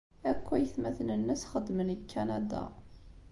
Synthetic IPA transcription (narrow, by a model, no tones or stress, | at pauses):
ækʷːæjəθmæθnənːəsχəd̪ːmənkʰːænad̪a̰